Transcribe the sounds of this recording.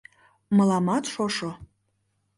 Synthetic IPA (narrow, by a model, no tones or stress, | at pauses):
məlɑmɑt̪ʃoʃo